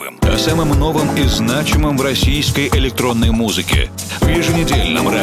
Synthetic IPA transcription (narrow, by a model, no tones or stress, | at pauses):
ɐ̰samɨmno̞vəmiznat͡ɕɪmɨmvɾɐsʲijskəjʔɪlʲɪk̚t̪ɾo̞nːəjmuzɨkʲɪ̰ | vjɪʐɨnʲɪdʲelʲnɨ̰mɾa